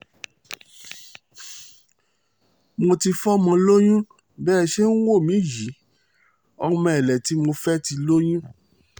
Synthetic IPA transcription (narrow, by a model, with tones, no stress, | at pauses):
mo˧ti˧fɔ˦mã˧lo˦jũ˦ | bɛː˦˧ʃe˦n̩˦wo˦˨mĩ˨˦ji˨˦ | ɔ˧mã˧ɛ˨lɛ˨ti˨˦mo˧fɛ˦ti˧lo˦jũ˦